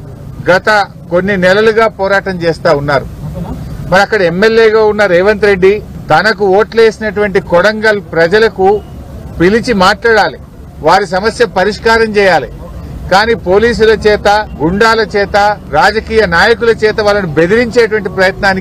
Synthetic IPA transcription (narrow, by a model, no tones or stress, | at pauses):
ɡɐt̪ɐ | ko̞nːinɛlɐluɡaːpɔːɾaːʈɐmt͡ʃɛːst̪aːunːaːɾṵ | mɐɾiɐkːɐɽɐemːeljeːɡaːunːɐɾeːʋɐnt̪ɾe̞ɖːit̪ɐnɐkuoːʈle̞ːsinɐʈuʋɐɳʈikɔɽɐŋɡɐlpɾɐd͡ʒɐlɐku | pilit͡ʃimaːʈlaːɽaːli | ʋaːɾisɐmɐsjɐpɐɾiʂkaːɾɐmt͡ʃɛːjaːli | kaːniːpo̞ːliːs̬ulɐt͡ʃɛːt̪ɐɡuɳɖaːlɐt͡ʃɛːt̪ɐɾaːd͡ʒɐkiːjɐnaːjɐkulɐt͡ʃɛːt̪ɐʋaːlːɐnube̞d̪iɾiɲt͡ʃeːʈ̬uʋɐɳʈipɾɐjɐt̪naːni